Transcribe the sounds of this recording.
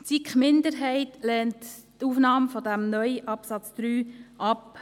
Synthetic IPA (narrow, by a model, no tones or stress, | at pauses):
t͡sikχmɪndəɾɦɛɪtlɛːnttufnɑːmfɔdæmnœʏəʔɑpsɑt͡sd̪̥ɾyːʔɑp